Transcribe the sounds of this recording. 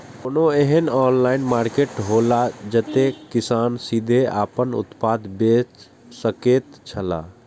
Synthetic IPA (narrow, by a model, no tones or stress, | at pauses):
onoeɦənɔnlainmaɾkeʈɦolad͡ʒət̪ekisansid̪ʱeʔa̰ːpənʊ̰t̪pad̪bet͡ʃ | səket̪t͡ʃʰəla̰